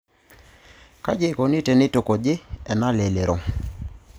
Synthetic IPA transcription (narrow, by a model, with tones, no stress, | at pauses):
ka˦d͡ʒe˦˨ko˨ni˦te˨nɪ˦to˨ko˨d͡ʒɪ˦ɛ˨na˦le˨le˨ɾo˨